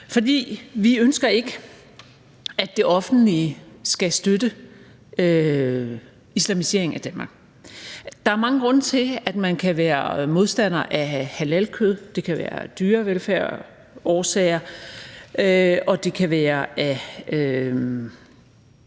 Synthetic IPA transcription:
fɒ̽d̥ḭːʋiønsɡ̥ɐe̝ɡ̥ə | æ̥d̥e̝ʔɒ̽fn̩lisɡ̥æsd̥ød̥ə | ø | islæmise̝ɐ̰eŋ̩æd̥ænmɑ̈ːɡ̥ | d̥ɑ̈æɐmɑ̈ŋəɡ̥ʁɔ̽n̰t͡sʰe̝læd̥mænkʰæʋæːɐmo̝ð̞ˠsd̥æn̰ɐʔæhælælkʰøð̞̰ˠd̥e̝kʰæʋæ̰ːɐ̰d̥yːɐʋelfæɐ̰ | ɒːsɛ̰ːɪɐ | øɒ̽d̥e̝kʰæʋæːɐʔæø

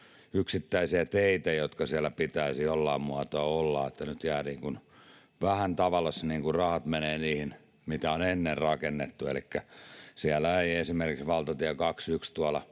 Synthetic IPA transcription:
yksit̪ːæisiæt̪eit̪æjot̪kɑsiælːˑæpit̪æisiolːɑːmmuɑt̪oɑolːɑ̰ˑet̪ːænyt̪jæːniːŋkun | ʋæhænt̪ɑʋɑlɑsniːŋkurrɑhɑt̪meneːniːhin | mit̪æonenːerrɑkenːet̪ːuḛlikːæsiælæeiesimerkiksʋɑlt̪ɑt̪iækɑksykst̪uɑlɑ

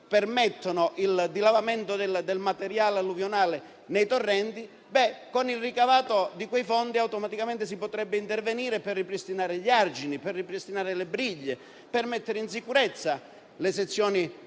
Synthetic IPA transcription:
permɛt̪ːonoʔild̪ilavament̪od̪eld̪elmat̪eɾjaːlalːuvjonaːle | nejt̪orːɛnt̪i | bɛkːonilrikavaːt̪od̪ikwejfɔnd̪iawt̪omat̪ikament̪ɪs̬ipot̪ɾɛbːɪint̪erveniːɾepɛrːipɾist̪inaːɾɪʎard͡ʒiniperːipɾist̪inaːɾɪlebɾiʎːe | permɛt̪ːeɾeins̬ikuɾɛt̪sːa | les̬et̪sːjɔːni

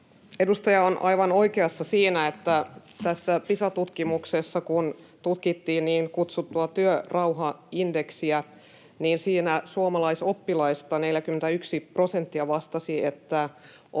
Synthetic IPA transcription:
edust̪ɑjɑonʔɑiʋɑno̞ikeɑsːɑsiːnæet̪ːæ | t̪æsːæpisɑt̪ut̪kimuksesːɑkun | t̪ut̪kit̪ːiːnniːŋkut̪sut̪ːuɑt̪yørɑuɦɑindeksiæ | niːnsiːnæsuomɑlɑisopːilɑist̪ɑneljækyment̪æyksiprosent̪ːiæʋɑst̪ɑsiet̪ːæ

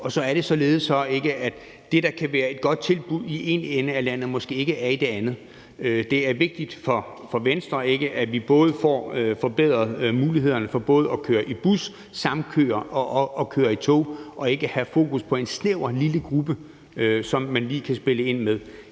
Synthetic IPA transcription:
ɒ̽sɒ̽æɐɾ̥e̝sɒ̽le̝ːð̞̩ˠsɒ̽e̝ɡ̥əʔæd̥ | d̥e̝ɾ̥ɑ̈kʰæʋæːɐe̝d̥̚ɡ̥ɒ̽d̥̚t͡sʰe̝lb̥uðˠiʔe̝nenəælæn̰ð̞̩ˠmɒ̽sɡ̥e̝̰ːe̝ɡ̥əæɐid̥e̝ænð̞̩ˠ | ød̥e̝æɐʋe̝ɡ̥̚d̥id̥fɒ̽ | fɒ̽ʋensd̥ʁɐe̝ɡ̥əʔæʋib̥ɔ̽ːð̞̩ˠfɒ̰ːøfɒ̽b̥eð̞̰ˠʁɐðˠmuːliɦe̝ð̞̰ˠɐnəfɒ̽b̥ɔ̽ːð̞̩ˠɒ̽kʰøːɐʔib̥usː | ɑ̈mnkʰø̰ːɐʔɒ̽ːkʰøːɐit͡sʰo̝̰ːʔɒ̽e̝ɡ̥əhæfo̝̰ːkʰuspʰɒ̽e̝nsneʊɐliləɡ̥ʁub̥ə | sɒ̽mːænliːkʰæsb̥e̝ləe̝n̰meðˠ

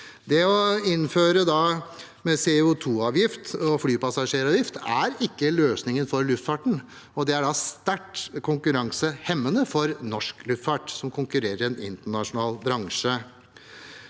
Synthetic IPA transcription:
d̪ɛɔɪnføːɾəd̪ɑ | mɛseʊt̪ʰuːɑːʋjɪft̪ɔflyːpɑsɑʂeːɾɑːʋjɪft̪æɾɪkːəløːsnɪŋənfɔɾlʉft̪fɑʈɳ̩ | ɔd̪ɛæɖɑst̪æʈkʰʊŋkʉɾɑŋsəhɛmːənəfɔɾnɔʂklʉft̪fɑʈsɔmkʰʊŋkʉɾeːɾəɾɛnɪnt̪əɳɑʂʊnɑːlbɾɑŋʂə

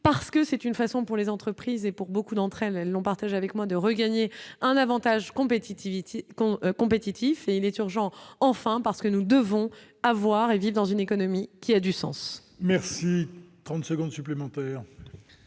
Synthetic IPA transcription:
paʁsə̥kəsɛt̪ynfasɔ̃puʁlezɑ̃t̪χəpχizepuʁbokud̪ɑ̃t̪χɛlɛlːɔ̃paʁt̪aʒavɛkmwad̪əʁəɡaɲeɛ̃navɑ̃t̪aʒkɔ̃p̪ | kɔ̃pet̪it̪ʰifeilɛt̪yʁʒɑ̃ɑ̃fɛ̃paʁsə̥kənud̪əvɔ̃ | avwaʁevivʁd̪ɑ̃zynekɔnɔmikʲiad̪ysɑ̰̃s | mɛʁsit̪χɑ̃t̪səɡɔ̃d̪syplemɑ̃t̪ɛːʁ

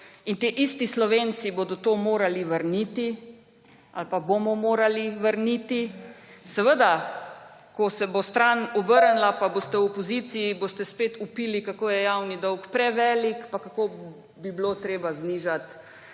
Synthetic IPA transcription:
int̪eʔist̪islɔʋeːnsiboːd̪ɔt̪oːmoːɾaliʋəɾnit̪i | a̰lpabomɔmoːɾaliʋəɾnit̪isɛʋəd̪a | kɔsɛbost̪ɾanɔbəɾnlapabost̪ɛwɔpɔzit̪sijiboːst̪ɛspeːt̪upiːlikakoːjɛjawnid̪ɔwkpɾɛʋɛːlikpakako | biblot̪ɾeːbazniːʒat̪

